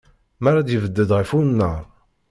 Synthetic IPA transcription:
maɾad̪jəvəd̪ːəd̪ʁəfunːəɾˤ

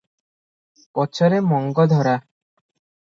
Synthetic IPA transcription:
pɔt͡ɕʰɔɾemɔŋɡɔd̪ʱɔɾa

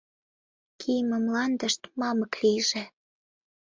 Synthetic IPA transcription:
kʰijmə̆mlɑnd̪əʃt̪mɑməklijʒe

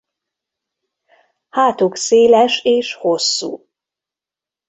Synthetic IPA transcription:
haːt̪ukseːlɛʃeːʃho̞sːṵː

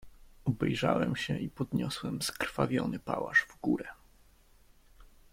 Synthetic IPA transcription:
ɔbɛjʐawɛmɕɛipɔd̪ɲɔswɛmskɾfavʲjɔnɘpawaʂvɡuɾɛ

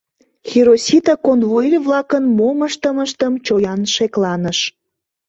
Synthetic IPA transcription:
xʲiɾosʲit̪ɑkonvoilʲβlɑkənmoməʃt̪əməʃt̪əmt͡ɕojɑnʃeklɑnəʃ

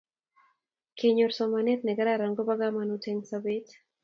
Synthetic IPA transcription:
keɲoɾsomanetneɡaɾaɾaŋɡobaɡamanotʰeŋsabet

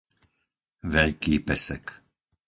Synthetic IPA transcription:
ʋɛʎkiːpɛsɛk

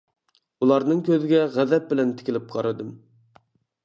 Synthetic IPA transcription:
ulˠɑɾnɨŋkʲøzɪɡʲɛʁæðɛp̚bɪlɛnt̪ʰɪ̥kʲilɪp̚qʰɑɾɨd̪ɨm

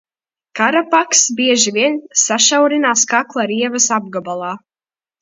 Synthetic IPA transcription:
kaɾapaksbiɛʒivʲiɛnsaʃawɾinaːskaklˠaɾiɛvɐsab̚ɡabalˠɑː

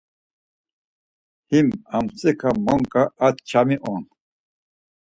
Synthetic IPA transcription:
himamt͡sʼɛkʰamɔŋkʼaat̪t͡ʃʰamiʔɔn

